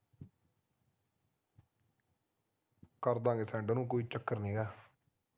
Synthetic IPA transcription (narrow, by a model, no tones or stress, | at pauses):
kəɾd̪ãːɡeːsɛ̃ːɳɖnũːk̬oːiːt͡ʃəkːəɾnĩːɡaː